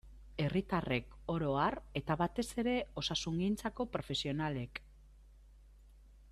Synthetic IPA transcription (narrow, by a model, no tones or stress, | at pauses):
e̞rit̪are̞k | o̞ɾo̞are̞t̪aβat̪e̞se̞ɾe̞o̞sasuŋɡint͡sako̞pɾo̞fe̞sio̞nale̞k